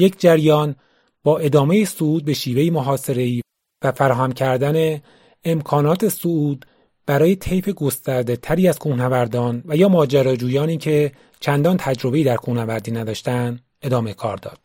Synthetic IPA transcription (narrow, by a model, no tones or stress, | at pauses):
je̞cʰd͡ʒæɾjɒːn | b̥ɒːʔe̞d̪ɒːme̞jesouːd̪̚be̞ʃiːve̞jimoɦɒːse̞ɾe̞iː | væfæɾɒːɦæmcʰæɾd̪æne̞ː | mkʰɒːnɒːt̪ʰe̞souːd̪ | b̥æɾɒːjet̪ʰe̞jfeɡost̪æɾd̪e̞t̪ʰæɾiːæz̥kʰuːnævæɾd̪ɒːnvæjɒːmɒːd͡ʒæɾɒːd͡ʒuːjɒːniːcʰe̞ | t͡ʃʰænd̪ɒːnt̪ʰæd͡ʒɾo̞be̞iːd̪æɾkʰuːnævæɾd̪iːnæd̪ɒːʃt̪ænd̪ | e̞d̪ɒːmekʰɒːɾd̪ɒ̰ːd̪̥̚